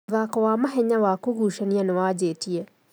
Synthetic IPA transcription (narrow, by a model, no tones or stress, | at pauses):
ðakowaːmaɦeɲawakuɡuːʃanianewaːɟeːtie